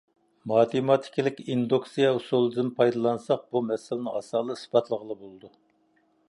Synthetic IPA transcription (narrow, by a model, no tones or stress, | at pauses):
mɑːt̪ʰemɑt̪ʰi̥kʲilɪkʲind̪oksijɛusulˠɨd̪ɨnpʰɑjd̪ɑlˠɑnsɑq̚bumɛsɪlɪnɪŋɑsɑːlˠɨsbɑt̪ʰlˠəʁəlˠəbolˠɨd̪u